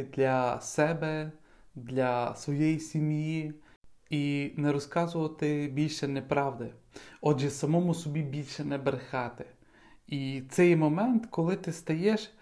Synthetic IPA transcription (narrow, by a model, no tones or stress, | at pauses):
d̪lʲɐsɛbɛ | d̪lʲɐsʋɔjɛjisʲimji | inɛɾɔskɑzʊʋɐt̪ɪbʲilʲʃɛnɛpɾɑwd̪ɪ | ɔdʒɛsɐmɔmʊsɔbʲibʲilʲʃɛnɛbɾexɑt̪ɪ | it̪sɛjmɔmɛnt̪kɔlˠɪt̪ɪst̪ɐjɛʃ